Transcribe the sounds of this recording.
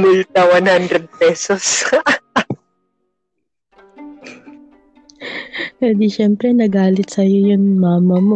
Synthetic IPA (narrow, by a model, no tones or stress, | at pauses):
mult̪ɐwanhand̪ɾɛd̪̚pɛːsos | p̪ɛːd̪iʃɛmpɾɛnɐɡaːlɪt̪̚sɐjo̞jʊnmaːmɐmo